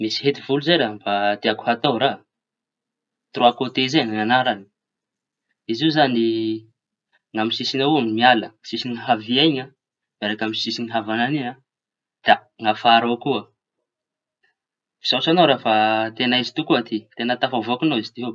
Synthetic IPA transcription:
misi̥ɦet̪ivuluzeɾambad̪eaku̥hat̪owɾa | t̪roakot̪ezenaŋanaɾani̥ | izizani | ŋamisisinouŋimialəsisiniɦaviajɲa | maɾakaminsisiniɦavanania | d̪̥aŋafaɾokuə | vi̥z̥asanowɾafat̪enaizit̪ukuat̪it̪enat̪afavoakunoizi̥t̪iɦo

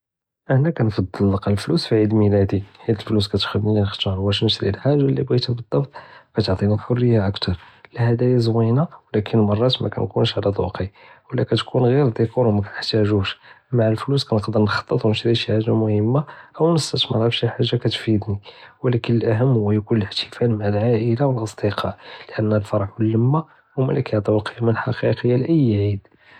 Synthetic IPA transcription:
ʔəħnækænfɑd̪ˤːəlːɑqlflusfiʕid̪məlæd̪iħid̪əlflus̬kæt̪xəd̪nilinəxt̪ːɾwæʃməslilħaʒːalːibæt̪ibəd̪ˤːɑbt̪̚ˤkæt̪oʕt̪ˤinifʊrːəjːaʔəkt̪ɑɾˤ | lhæd̪æjæzwinawlækʰənmɑrˤːɑt̪mæ̰kæ̰nkunʃʕlæt̪ˤṵqiwəlːækæt̪kʰunɣiɾd̪ikuɾwmækæəħt̪æʒuʃ | maʕəlfluskænəqd̪əɾnxɑ̥t̪ˤːət̪ˤwnəʃɾiʃiħaʒːamʊhəmːaʔəwnəst̪ːət̪mə̰ɾˤæfʃiħaʒːakæt̪fid̪niwlækənəlʔæɦəmːhʊwːæjkunələħt̪ʰə̥fælmaʕəlʕaʔəlawəlʔɑsˤd̪əqʰɑʕləʔənːlfɑɾˤħwəlːəmːa | wmælækæʕd̪ˤuqijamənəlħɑqiqəjːalʔəjːʕid̪

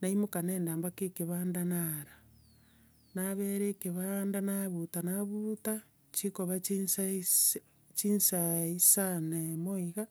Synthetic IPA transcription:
naimokaneːndaːmbakekeβaːndanaɾa | naβeɾekeβandanaβutanaβuta | t͡ʃikoβas | t͡ʃinsaisanemoiɣa

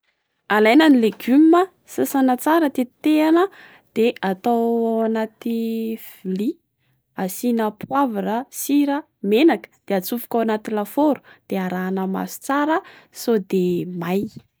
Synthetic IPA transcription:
alajnanileɡymːə | sasanat͡saɾət̪et̪eanə | d̪̥eʔat̪awawanat̪ifili | asinəpwavarəsiɾə | menakə̥d̪̥eat͡sufu̥kʲawanat̪ilafoɾu̥d̪̥eaɾaːnəma̰su̥t͡saɾəsod̪emaj

